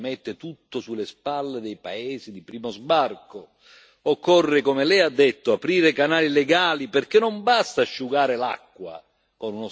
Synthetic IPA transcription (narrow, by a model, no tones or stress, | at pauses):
mɛt̪ːɪt̪ut̪ːosulːespalːed̪ɛjpaɛːzid̪ipɾiːmozbarko | ɔkːɔrːekomelɛjad̪ːet̪ːoapɾiːɾekanaːlileɡaːliperk̟enːombast̪aʃːuɡaːɾela̰kːwa̰ | konuno